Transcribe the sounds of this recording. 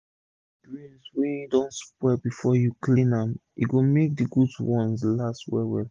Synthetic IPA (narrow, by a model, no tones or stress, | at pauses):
dɹĩnswẽidõnspwɛbifɔjuklĩnãm | ḭɡomek̚diɡudwɔ̃nslastwɛ̰wɛ̰